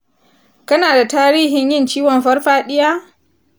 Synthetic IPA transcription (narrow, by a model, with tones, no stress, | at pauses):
kɐ˦naː˨da˨taː˦ɾiː˦ɦɪ˨ɲjɪ˦nt͡ʃiː˦wɔ˨mɸɐ˦rɸaː˦ɗɪ˦jaː˦